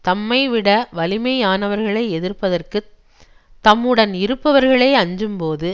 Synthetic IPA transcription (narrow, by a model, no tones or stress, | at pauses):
t̪ɐmːɐɪʋɪɽɐʋɐlɪmɐɪaːnɐʋɐɾɣɐɭɐɪɛðɪrpɐðɐrkɯ | t̪ːɐmːɯɽɐnɪɾɯpːɐʋɐɾɣɐɭɐːɐɲd͡ʒɯmpoːðɯ